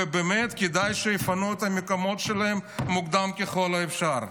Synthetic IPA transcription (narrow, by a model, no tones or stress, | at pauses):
ebemet̪ked̪ajʃejefanuet̪amekomo̞t̪ʃelaemːuɡd̪amkeχo̞laefʃaɾ